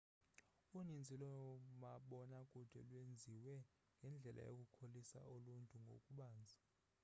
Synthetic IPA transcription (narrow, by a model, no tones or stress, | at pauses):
unind͡zʱilɔmaɓɔnakʼud̥ʱɛ̰lwend͡zʱiwɛ | ŋɡʱɛnd͡ɮʱɛlʔa̰jo̰kʼukʰolisa̰uluntʼuŋɡʱo̰kʼuɓaːnd͡zʱḁ